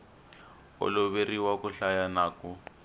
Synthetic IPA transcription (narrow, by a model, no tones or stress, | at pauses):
ʊ̰lʊβeriwakʊɬajanaːkʊ